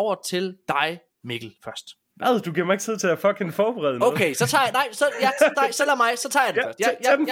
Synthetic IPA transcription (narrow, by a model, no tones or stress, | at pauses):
ʊ̰ɐt͡sʰeld̥ɑ̈ɪ | miɡ̥l̩fɶɐsd̥ | æðˠd̥uɡ̥iɐmɑ̈e̝ɡ̥t͡sʰið̰ˠt͡sʰe̝læfɒɡ̥ʰenfɒːb̥eʁɛ̰ːðˠnoʊkʰeɪsɒ̽t͡sʰɑ̈ːjnɑ̈ɪ̰sɒjæɑɪsɒlɛɐmɑ̈ɪsɒ̽t͡sʰɑ̰̈ːjd̥e̥ɶɐsd̥j